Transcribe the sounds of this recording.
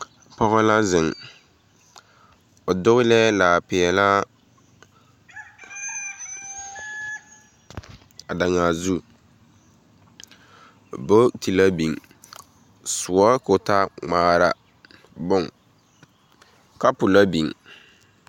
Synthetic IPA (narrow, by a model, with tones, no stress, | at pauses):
pɔ˦ɣɔ˦la˦zɪ˨ŋ | ʊ˨dʊ˦ɣɪ˦lɛ˦la˨pɪ˨ɛ˨la˦ | a˨da˨ŋa˨zu˦ | bo˦ti˨la˦bi˨ŋ | sʊ˨ɔ˦ko˨ta˦ŋ͡maː˦ɾa̰˦ | bʊ˦˨ŋ | ka˦pʊ˨la˦bi˨ŋ